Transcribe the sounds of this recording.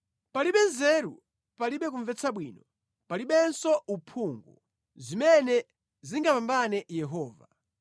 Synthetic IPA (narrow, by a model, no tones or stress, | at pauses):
paliɓɛnzɛɾṵ | paliɓɛk̬uɱvɛt͡sʰaɓwḭːnɔ | paliɓɛnsɔupʰuŋɡu | zimɛnɛ | ziŋɡapambanɛjɛɦɔːva